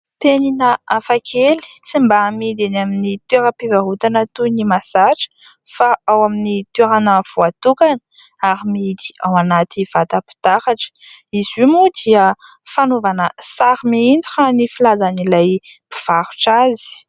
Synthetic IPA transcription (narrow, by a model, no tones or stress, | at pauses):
peninəafakʰeli̥t͡simbamid̪enaminit̪weɾəpivaɦut̪anat̪unimasaʈ͡ʂə̥ | faawaminit̪weɾanəv̥uat̪ukanə̥ | aɾimid̪i̥awanat̪iv̥at̪əpi̥t̪akaʈ͡ʂə̥izumud̪iə | fanovanəsaɾimiind͡zianifilazanilajbi̥v̥aɾu̥ʈ͡ʂazi̥